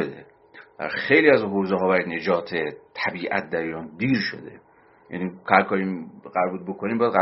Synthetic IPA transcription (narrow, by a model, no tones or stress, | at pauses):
od̪ḛ | d̪̥æ̰ɾxejliːæzɦoːzeɦɒːbæɾine̞d͡ʒɒːt̪ʰet̪ʰæbiːʔæ̰t̪̚d̪æɾijɒːnd̪iːɾʃo̞̰d̪ḛ | jæ̰nikʰæɾkʰɒːɾimɢæɾbuːd̪̚bokʰoniːmbɒjæd̪ɣæ